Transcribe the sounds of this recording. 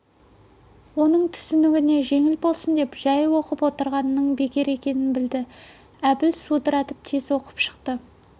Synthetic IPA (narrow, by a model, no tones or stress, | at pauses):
wonəɴt̪ʰʏ̥sɪnɪɡʲɪne̞ʒe̞ŋɪlbo̞lˠsənd̪e̞pʒ̥æjwo̞qəpwo̞t̪əɾʁɑnəːəɴbe̞kʲe̞ɾe̞kʲe̞nɪnbɪld̪ɪ | æbɪlsud̪əɾɑt̪əp̚t̪ʰezwo̞qə̥pʃə̥q̚t̪ə